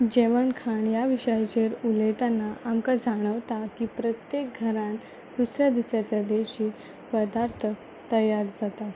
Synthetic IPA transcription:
d͡ʑeʋəɳkʰaɳjaʋiɕəjt͡ɕeɾulet̪anːaʔamkad͡zaɽ̃əʋt̪akiːpɾət̪jek̚ɡʱəɾãn | d̪̥usɾjad̪usɾjat͡s̪əd̪eɕiː | pəd̪aɾt̪ʰə | t̪əjaɾd͡zat̪a

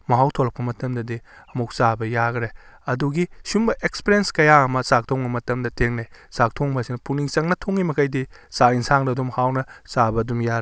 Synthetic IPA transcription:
mɐɦawtʰolɐp̚kɐmɐtɐmdɐdi | ɐmuk̚sabɐjaɡɾeɐduɡisumbɐʔekspiɾenskɐjaɐmɐsak̚tʰoŋbɐmɐtɐmdɐtʰeŋnajsak̚tʰoŋbɐsinɐpuniŋsɐŋnɐtʰoŋimɐkʰɐjdisainsaŋdɐɐdumhawnɐsabɐdumjaɾe

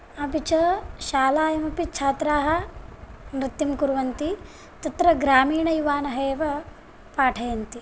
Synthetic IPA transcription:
ɐbit͡ʃɐʃaːlaːjɐmɐpit͡ʃʰaːt̪ɾaːɦɐ̆ | mɾit̪ːimkuɾʋɐnt̪i | t̪ɐt̪ɾɐɡɾaːmiːɳɐjuʋaːnɐɦɐeːʋɐ | paːʈʰɐjɐnt̪i

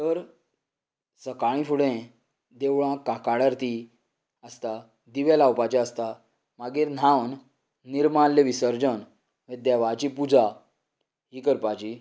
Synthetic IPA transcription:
t̪əɾ | səkaɭ̃ĩfuɽẽ | d̪eʋɭãkakaɽəɾt̪i | əst̪a | d̪iʋalawpat͡ɕiəst̪a | maɡiɾn̤awnː | iɾmanleʋisəɾd͡ʑən | ʋed̪jaʋat͡ɕipud͡za | ɦiːkəɾpat͡ɕi

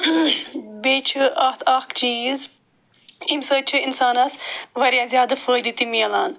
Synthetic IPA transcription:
beːt͡ʃʰɨʔɐt̪ʰɐkt͡ʃiːz | imsəːt͡ʃʰɨinsaːnɐsʋɐɾjazjaːd̪ɐfəːjd̪it̪imiɐlaːn

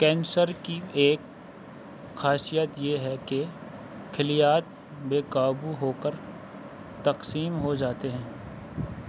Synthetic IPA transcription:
kɛ̃ːnsəɾkieːk | xaːsijət̪jeɦɛke | kʰɪlijaːt̪̚ | beːkaːbuɦoːkəɾ | t̪ɐqsiːmɦod͡ʒaːt̪eɦɛ̃ː

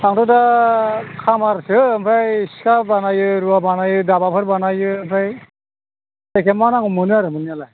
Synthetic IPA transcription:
aŋtɔda | kʰamaɾsɯmpʰɾajiskabanajɯɾuabanajɯdabapʰɯɾbanajɯmpʰɾaj | ɛkɛmanaŋumɯniaɾɯmɯniala

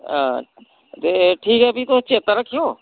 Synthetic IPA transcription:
ã | t̪eʈʰiːkɦɛɐbʱit̪ot͡ʃeːt̪ãɾəkʰːijoː

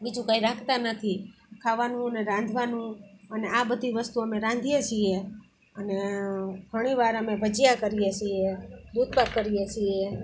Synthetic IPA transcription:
bid͡ʒũkaiɾakʰt̪anət̪ʰi | kʰaʋanũəneɾãnd̪ʱʋanũəneabəd̪ʱiʋəst̪uəmeɾãnd̪ʱijet͡ʃʰie | əneɡʱəɽ̃iʋaɾəmebəd͡ʒijakəɾijet͡ʃʰied̪ud̪̚ʱpakkːəɾijet͡ʃʰie

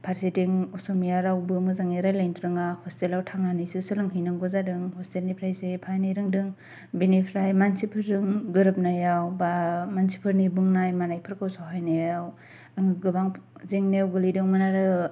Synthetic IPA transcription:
pʰaɾsitiŋɔsɔmijaɾawbɯmɯzaŋeɾajlajntʰɾɯŋahʰɔstelawtʰaŋnanisɯsɯlɯŋɦijnɯŋɡɔzadɯŋhɔstelnipʰɾajsepʰajnajɾɯŋdɯŋ | binipʰɾajmansipʰɯɾːɯŋɡɯɾɯp̚najawbamansipʰɯɾnibɯŋnajmanajpʰɯɾkʰɯwsawɦajnajaw | ɯŋɯɡɯbaŋzeŋnewɡɯlidɯŋmɯnaɾɯ

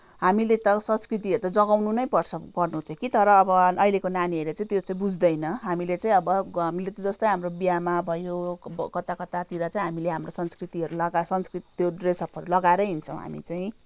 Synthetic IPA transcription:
ɦamilet̪ʌsʌnskrit̪iɦʌɾut̪ad͡zʌɡawnunʌjpʌrt͡sʰʌpʌrnuɦt͡sʰʌkit̪ʌɾʌːbʌʌilekonaniɦʌɾet͡saĩt̪jot͡saĩbud͡zd̪ʌjnʌɦamilet͡saĩʌbʌɦamilet̪ʌd͡zʌst̪ʌjɦamrobijamabʱʌjokʌt̪akʌt̪at̪iɾat͡saĩɦamileɦamrosʌnskrit̪iɦʌɾulʌɡasʌnskrit̪t̪joɖresʌpʰʌɾulʌɡaeɾʌjɦint͡sʰʌ̰̃w̃ɦa̰mḭt͡saĩ

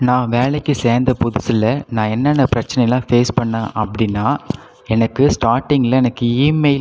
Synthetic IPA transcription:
nãːʋeːɭɐkːɯseːɾnd̪ɐpʊðʊsɪlɐnãːɛnːɐnːɐpɪɾɐt͡ʃːɐnɐjɐlãːfeːspɐɳːãːʔɐpːɐɽɪnːaː | ɛnɐkːɯsʈaːɾʈːɪŋɡɪlɐ̃ɛnɐkːɯiːmeɪl

